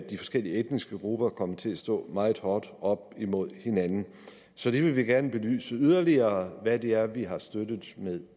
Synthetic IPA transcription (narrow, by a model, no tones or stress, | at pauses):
dd̥ifɒ̽sɡ̥el̰iəed̥nisɡ̥əɡ̥ʁub̥ɐkʰɒ̽mət͡sʰe̝læsd̥ɔ̰̽ːmɑ̈ːð̩ˠhɒːd̥ɒ̽b̥̚imo̝ð̞̰ˠhe̝nænn̩ | sɒ̽d̥e̝ʋe̝ʋiɡ̥æɐnəb̥e̝ly̰ːsəyð̞ˠɐliɐːʋæd̥e̝æɐʋiɦɑ̈sd̥ød̥ð̩ˠmeðˠ